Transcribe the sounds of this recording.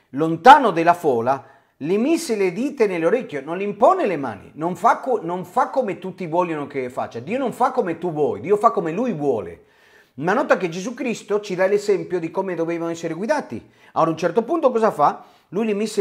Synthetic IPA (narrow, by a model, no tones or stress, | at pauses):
lont̪aːnod̪elːafɔːla | limisːeled̪iːt̪eneloɾekʲːjononliimpɔnelema̰ːnḭnoɱfakːonoɱfakːomet̪ut̪ːivwɔljanokefa̰t͡ʃːad̪iːonoɱfakːomet̪uvwɔ̰jd̪iːofakːomelujvwɔːlḛ | manɔt̪aked͡ʒezukɾist̪ot͡ʃid̪ailezɛmpjod̪ikomed̪ovɛːvanoɛsːeɾeɡwiðaːt̪ḭ | ad̪unt͡ʃɛrt̪opunt̪okɔzafa | lujlimisːe